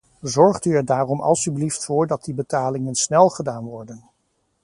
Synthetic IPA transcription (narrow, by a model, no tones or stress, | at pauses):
zɔɹχtyɛɹdaːrɔmɑ̰lˠsybliftfʊːɹdɑt̚dibətaːlɪŋənsnɛlˠχədaːnʋɔɹdən